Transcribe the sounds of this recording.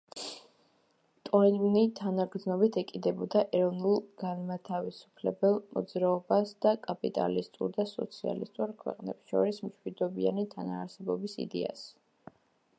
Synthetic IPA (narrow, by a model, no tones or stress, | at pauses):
t̪ʼɔɾizmnit̪ʰanaɡɾd̪znɔbit̪ʰɛkʼid̪ɛbɔd̪aʔɛɾɔvnulˠɡ̥anmat̪ʰavisu̥pʰlɛbɛlˠmɔd̪zɾaɔbasd̪̥akʼapʼit̪ʼa̰list̪ʼuɾd̪asɔ̰t̪sʰia̰lḭst̪ʼuɾkʰwɛ̰qʼnɛbsʃɔ̰ɾismʃwid̪ɔbia̰nit̪ʰanaːɾsɛbɔbisḭd̪ɛ̰a̰s